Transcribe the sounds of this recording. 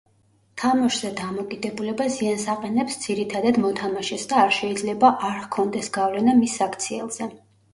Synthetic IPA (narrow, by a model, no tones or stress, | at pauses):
t̪ʰamɔʃz̥ɛd̪amɔkʼid̪ɛbulɛbaziansaqʼɛnɛpsd̪z̥iɾit̪ʰad̪ad̪mɔt̪ʰamaʃɛsd̪aːɾʃɛid̪zlɛbaʔaɾkʰɔnd̪ɛsɡ̥avlɛnamisːakʰt̪sʰiɛlˠz̥ɛ